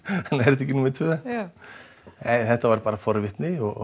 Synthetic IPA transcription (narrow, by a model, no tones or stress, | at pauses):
nːɛɾt̪icːɪnumɪt̪ʰvʏð | nɛːjθɛht̪ːavaɾpaːɾafɔɾvɪht̪nɪɔɣ